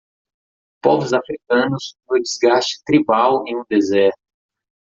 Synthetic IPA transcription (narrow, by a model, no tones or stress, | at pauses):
pɔvʊzafɾikɐ̃nʊsfʊd͡ʒizɡast͡ʃɪ̥t̪ɾibawẽj̃ũd̪ezɛɾt̪ʊ